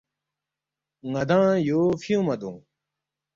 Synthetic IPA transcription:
ŋɐd̪ãːjoːfijũmɐd̪ũː

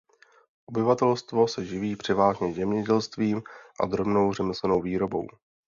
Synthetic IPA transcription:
ʔo̞bɪvat̪ɛlst̪vo̞sɛʒɪviːpr̝̥ɪvaːʒɲɛzɛmɲɛɟɛlst̪viːmʔa̰d̪ɾo̞bno̞wrɛmɪslɛno̞wviːɾo̞bo̞̰w

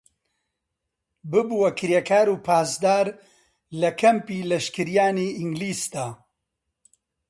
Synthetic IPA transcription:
bɨbuwɐkʰɨɾjɛkʰaːɾuːpʰaːsd̪aːɾ | lɐkʰɐmpiːlɐʃkɨɾijaːniːʔiŋɡliːsd̪aː

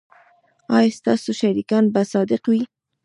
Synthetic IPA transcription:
ɑjest̪ɑsuʃaɾikɑnbasɑd̪ɪqwi

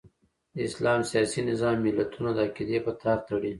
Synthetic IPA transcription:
d̪əɪslɑmsijɑsinɪzɑmːɪlːat̪ʰunad̪əakid̪epət̪ʰɑɾt̪aɽi

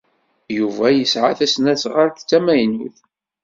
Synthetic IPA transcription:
juvæjəsʕaθæsnæsʁaɾkt͡sːæmæjnṵθ

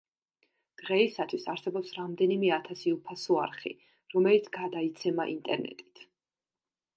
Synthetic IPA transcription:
d̪̥ʁɛisat̪ʰwisaɾsɛbɔpsɾamd̪ɛnimɛat̪ʰasiupʰasɔa̰ɾχḭ | ɾɔmɛlit̪sʰɡad̪ait̪sʰɛmaʔint̪ʼɛɾnɛ̰t̪ʼi̥t̪ʰ

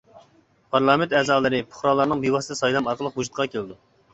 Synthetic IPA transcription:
pʰɑɾlˠɑːmɪnt̪ɛːzɑːlˠɨɾɨpʰʊ̥χɾɑlˠɑɾnɨŋbiwɑst̪ɛsɑjlˠɑmɑɾqəlˠəqɦud͡ʒut̪̚qʰɑkʲʰelɪd̪u

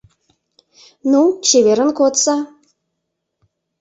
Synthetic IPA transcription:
nut͡ɕeβeɾənkot̪sɑ

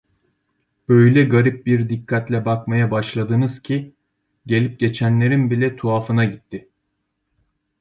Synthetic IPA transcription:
øjlʲɛɡaɾip̚biɾd̪ikʰːat̪lʲɛbakmajabaʃlˠad̪ɯnɯz̥cʰi | ɟe̞lʲip̚ɟe̞t͡ʃʰænlʲe̞ɾinbilʲɛt̪ʰuafɯnaɟit̪ʰːɪ

